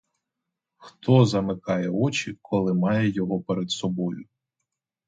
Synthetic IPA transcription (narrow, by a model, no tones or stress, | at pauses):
xt̪ʰɔzɐmɪkɑjɛɔt͡ʃikʰɔlˠɪmɑjɛjɔɦɔpeɾed̪sɔbɔjʊ